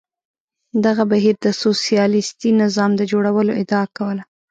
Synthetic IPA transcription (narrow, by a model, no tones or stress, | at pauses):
d̪aɣabaɦiɾd̪əsosijɑlɪst̪inɪzɑmd̪əd͡ʒoɽawəloɪd̪ɑakawəla